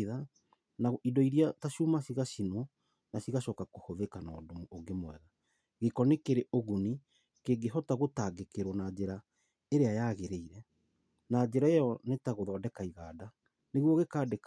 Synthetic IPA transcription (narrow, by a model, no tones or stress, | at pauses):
ða | naidɔiɾiataʃuːmaɕiɣaʃinwɔ | naɕiɣaʃɔːkakohoðekanɔ̰ːdomuːɡemwɛ̰ɣa | ɣekɔnekeɾeʔoɣuni | keɡeɦɔtaɣotaɡekeɾwɔnad͡ʒeɾa | eɾeajaːɣeɾeiɾɛ | nad͡ʑeɾaejɔnetaɣoðɔːdɛkaiɣaːda | neɣwɔɣekaːdek